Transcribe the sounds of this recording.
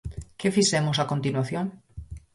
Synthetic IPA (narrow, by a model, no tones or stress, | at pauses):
kefisemosakont̪inwaθjõŋ